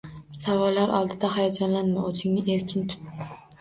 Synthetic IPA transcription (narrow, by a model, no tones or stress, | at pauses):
savɒlːaɾʔɒ̰lˠd̪ɪd̪aɦajɒd͡ʒɒnlanmaozɪŋnɪʔe̞ɾkʲʰɪnt̪ʰʊ̥t̪ːɪ